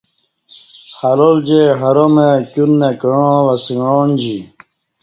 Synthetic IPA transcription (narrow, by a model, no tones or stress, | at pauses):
xalold͡ʑeɦaɾomekunːekəɻõwasiŋoːnd͡ʑi